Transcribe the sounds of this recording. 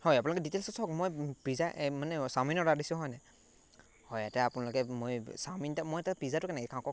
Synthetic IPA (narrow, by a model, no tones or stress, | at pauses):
hɔjap̬unalɔk̬ɛditelsɔsɔkmojpizaʔmanɛsaminɔadisʊɦɔjnɛ | hɔjatɛapunalɔkɛmojsamintamojatapizatʊkanɛkɛkʰãkɔk